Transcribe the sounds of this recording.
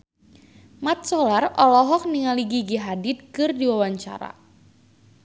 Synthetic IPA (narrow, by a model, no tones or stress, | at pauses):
mat̪̚sɔlarɔlɔɦɔk̚niŋaliɡiɡiɦadɪt̪̚kɨrdiwawaɲt͡ʃa̰ɾa̰